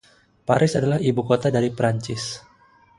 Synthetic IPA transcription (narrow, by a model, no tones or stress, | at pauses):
paɾʔɪsadalahibukot̪adaɾipɾaɲt͡ʃɪs